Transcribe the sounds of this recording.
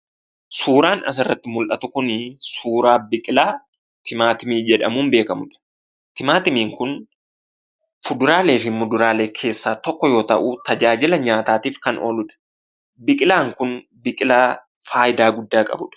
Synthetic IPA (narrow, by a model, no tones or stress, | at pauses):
suːɾaːnɐ̰s̬ɪrːɐt̪ːɪmʊlʔɐt̪ʊkʊnɪsuːɾaːbɪkʼɪlaː | t̪ʰɪmaːt̪ɪmiːd͡ʒɛᶑɐmuːnbe̞ːkɐmʊᶑɐ̥ | t̪ɪmaːt̪ɪmiːŋkʊn | fʊd̪ʊɾaːle̞ːfɪnmʊd̪ʊɾaːle̞ːkʰe̞ːsːaːt̪ɔkːɔjo̞ːt̪ɐʔut̪ɐd͡ʒaːd͡ʒɪlɐɲaːt̪aːt̪iːfkɐnʔo̰ːlʊᶑ̪ɐ̥ | bɪkʼɪlaːŋkʊn | bɪkʼɪlaː | faːjɪd̪aːɡʊd̪ːaːkʼɐ̰bʊᶑɐ̥